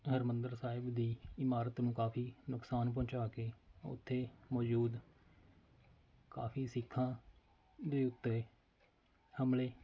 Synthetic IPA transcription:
ɦəɾmənd̪əɾsaːɪbd̪iːɪmaːɾət̪nũːkaːfiːnʊksaːnp̬ɔ̃ːt͡ʃaːkeːʊ̰t̪ʰːeːmɔːd͡ʒuːd̪ | ka̰ːfiːsɪkʰːãː | d̪eːʊt̪ːeː | həmleː

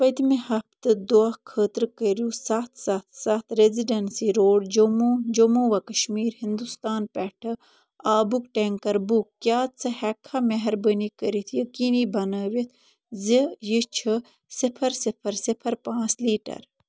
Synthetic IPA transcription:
pət̪mehɐpt̪ɨd̪oakʰəːt̪ɾkəɾjusaːt̪ʰsat̪ʰsat̪ʰɾeziɖɐnsiɾoːɖd͡ʒomod͡ʒomoːʋɐkɐʃmiːɾhind̪ust̪aːnpɛːʈʰɨ | aːbukʈeŋkɐɾbukːjaːt̪t͡sʰɐhɛkʰːameɦɐɾbənikəɾit̪ʰjəkinibɐnəːʋit̪ʰ | zijit͡ʃʰə | sɪpʰɐɾsɪpʰɐɾsɪpʰɐɾpãːt͡sliːʈɐ̰ɾ

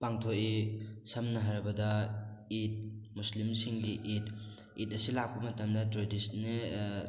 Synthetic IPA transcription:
paŋtʰoʔisɐmnɐɦaɾbɐdɐit̚muslimsiŋɡiʔit̚ | it̚ɐsilak̚pɐmɐtɐmdɐtɾodisnːe

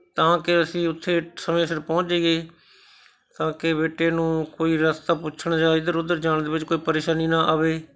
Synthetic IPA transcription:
t̪ãːkɪəsĩːʊt̪ʰːeːsəmẽːsɪɾpɔ̃ːt͡ʃeːɡeː | t̪ãːkɪbeːʈːeːnũːkoːiːɾəst̪aːpʊt͡ʃʰəɳd͡ʒaːɪd̪əɾʊd̪əɾd͡ʒaːɳ̃d̪eːʋɪt͡ʃkoːiːpəɾeːʃaːniːnaːʔaːʋeː

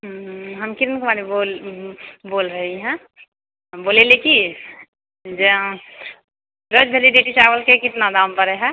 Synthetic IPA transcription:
ɦəmkɪɾnkmaːnibol | boːlɾəɦiɦɛ̃ | boːleleki | d͡ʒə | ɾəd͡ʒbʱeliɖeʈit͡ʃaːʋəlkekɪt̪nad̪aːmpəɾɛɦɛ̃

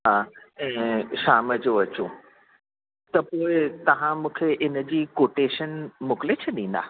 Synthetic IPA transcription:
ɦaɛ̃ːʃaːməd͡ʑoɐt͡ɕõ | t̪ɐpoːɪt̪ɐʋ̤ãmũːkʰeʔɪnə̆d͡ʑiːkoːʈeːʃənmʊklet͡ɕʰɐɗĩːnd̪a̰ː

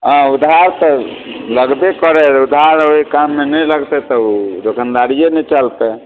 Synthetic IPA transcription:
ãud̪ɦaɾt̪ɔləɡbekəɾɛɾud̪ʱɦaɾoikamːenɛləɡt̪ɛt̪ɔud͡ʒokʰənd̪aɽijenɛt͡ʃəlt̪ɛ

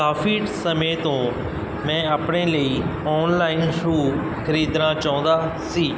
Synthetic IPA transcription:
kaːfiːʈsəmeːt̪õː | mɛ̃ːəpɳeːləiːɔːnlaːɪnʃuː | kʰəɾiːd̪ɾãːt͡ʃaːõːnd̪aː | siː

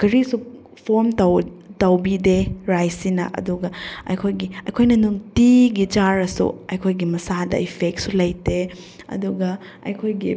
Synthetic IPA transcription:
kɐɾisu | pʰoɾmtɐwtɐwbideɾajsinɐ̰ʔɐ̰duɡɐɐ̰jkʰojɡiɐjkʰojnɐnuŋtiɡid͡ʒaɾɐsṵɐjkʰojɡimɐsadɐ̰ipʰek̚t̚sulɐjte | ɐ̰duɡɐ | ɐ̰jkʰojɡḭ

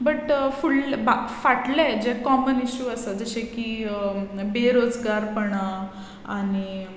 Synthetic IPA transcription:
bəʈfuɭbafaʈled͡ʑɛkɔməniɕuəsəd͡zəɕẽki | beɾod͡zɡaɾpəɳa | a̰ni

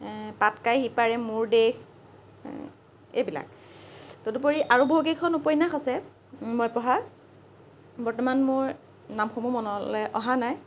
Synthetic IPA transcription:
patkajɦipaɹɛmʊɹdex | ḛbila̰k | todupoɹiʔaɹuboɦokekʰːɔnupɔjnaxasɛ | mojpɔɦa | bɔɹtɔmanmʊɹ | namxomumɔnɔlɛʔɔɦanaj

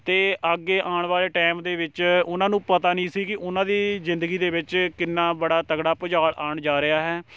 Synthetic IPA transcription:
t̪eːʔəɡːeːʔaːɳʋaːleːʈɛːmd̪eːʋɪt͡ʃʊnãːnũːpət̪aːnĩːsiːkɪʔʊnãːd̪iːzɪ̃nd̪əɡiːd̪eːʋɪt͡ʃkɪnːaːbəɽaːt̪əɡɽaːpəd͡ʒaːɭaːɳd͡ʒaːɾɪaːɦɛː

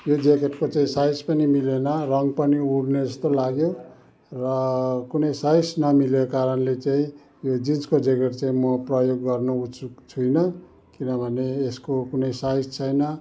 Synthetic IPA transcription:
jod͡zekeʈkot͡saĩsajspʌnimilenʌrʌŋɡpʌniuɽned͡zʌst̪olaɡjo | rʌkunʌjsajsnʌmilekaɾʌnlet͡saĩ | jod͡zinkod͡zeɡʌrt͡saĩmʌprʌjoɡːʌrnout͡sut͡sʰujnʌ | kinʌbʱʌneːskokunʌjsajst͡sʰʌjnʌ

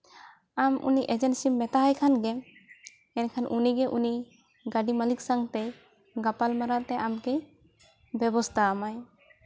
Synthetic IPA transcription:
amʔṵniʔɛd͡ʒɛnsimːɛt̪aɦajkʰanɡɛ | ɛnkʰanʔuniɡɛʔuni | ɡaɖimaliksaŋɡt̪ɛ | ɡapalmaɾat̪ɛʔamkɛ | bjɛbɔst̪ʰaːmaj

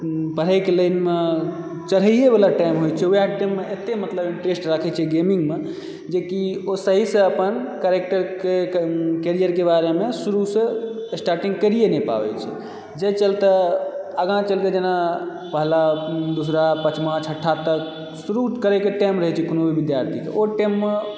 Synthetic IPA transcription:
pəɾ̤ɛkeləinme | t͡ʃəɾɦəijebelaʈajmɦojt͡ʃʰɛujaʈemːeet̪emət̪ləbiɳʈɾesʈɾakʰɛt͡ʃʰɛɡemiŋɡme | d͡ʒekiosəɦisə̃əpənkəɾek̚ʈəɾkekeɾijəɾkebaɾemesuɾusə̃sʈaɾʈĩŋɡkəɾijenɛpa̰bɛ̰t͡ʃʰɛ̰ | d͡ʒet͡ʃəlt̪əəɡãt͡ʃəlked͡ʒena | pəɦlad̪usɾapət͡ʃmãt͡ʃʰəʈʰːat̪ək | suɾukəɾɛkeʈajmɾəɦɛt͡ʃʰɛkonobʱibid̪jaɾt̪ʰikḛʔoʈɛmːe

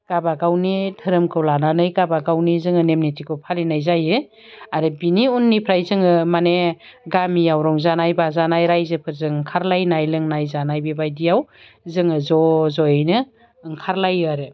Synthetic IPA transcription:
ɡ̥abaɡawnitʰɯɾɯmkʰɯwlananɯjɡabaɡawnizɯŋɯnemnitʰikʰɯpʰalinajzajɯ | aɾɯbiniunːipʰɾajzɯŋɯmane | ɡamijawɾɔŋzanajbazanajɾajzɯpʰɯɾzɯŋŋkʰaɾlajnajlɯŋnajzanajbibajdijaw | zɯŋɯzɔzɔjɯjnɯ | ɯŋkʰaɾlajɯaɾɯ

